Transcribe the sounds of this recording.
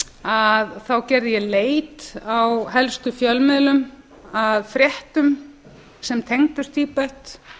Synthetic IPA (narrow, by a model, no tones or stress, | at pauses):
aðθawcɛɾðɪjɛleːjt̪awɦɛlst̪ʏfjœlmɪðlʏm | aðfɾjɛht̪ʏm | sɛmt̪ʰejŋt̪ʏst̪iːpɛht̪